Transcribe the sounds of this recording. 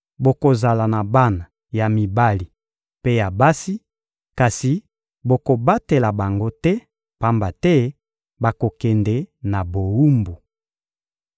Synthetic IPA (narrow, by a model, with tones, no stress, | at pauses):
bo˨ko˨za˨la˨na˨ba˦na˨ | ja˨mi˨ba˦li˨ | pe˦ja˨ba˦si˦ | ka˨si˨ | bo˨ko˨ba˦te˨la˨ba˨ŋɡo˦tɛ˦ | pa˦mba˨tɛ˦ | ba˨ko˨kɛ˨ndɛ˨na˨bo˨wu˦mbu˨